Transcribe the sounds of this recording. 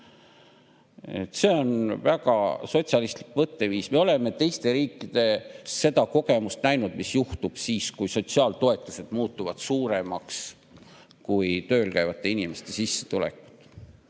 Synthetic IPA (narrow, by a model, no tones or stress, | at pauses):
ḛt̪ːˑse̞o̞nvæɡ̥ɑ̰so̞t̪sjɑlist̪likmɤt̪ːe̞viːsme̞o̞le̞me̞t̪ejst̪e̞ɾiːkːˑid̪̥e̞se̞d̪ɑko̞ɡ̥e̞must̪næjnud̪̥misjuht̪ub̥siːskujso̞t̪siɑːlt̪o̞e̞t̪ˑːuse̞d̪̥muːt̪ːˑuvɑd̪̥suːɾemɑks | kujt̪ø̞ːlkæjvɑt̪ːˑe̞inime̞st̪e̞sisːe̞̥t̪ulḛku̥t̪ːˑ